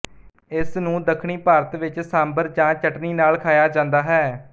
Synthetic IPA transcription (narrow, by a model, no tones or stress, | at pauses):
ɪsnũːd̪əkʰɳiːpaːɾət̪ʋɪt͡ʃsãːmbəɾd͡ʒãːt͡ʃəʈniːnaːlkʰaːjaːd͡ʒãːnd̪aːɦɛː